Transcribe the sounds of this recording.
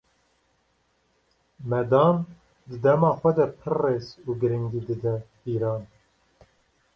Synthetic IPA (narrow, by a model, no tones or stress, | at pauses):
mɛd̪ɑːn | d̪ɨd̪ɛmɑːxʷɛd̪ɛpʰɨrːeːzuːɡɨɾɨŋɡiːd̪ɨd̪ɛ | iːɾɑːn